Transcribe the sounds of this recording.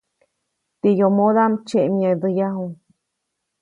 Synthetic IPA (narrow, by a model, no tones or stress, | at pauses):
t̪ijomoðamt͡ʃeʔmjad̪əjaɦuŋ